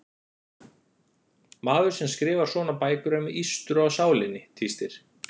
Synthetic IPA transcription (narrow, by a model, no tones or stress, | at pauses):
maːðʏɾ̥sɛmskɾɪːvaɾ̥sɔːnapaːjkʏɾamiist̪ʏɾawsaːwlɪnːɪt̪ʰist̪ɪɾ̥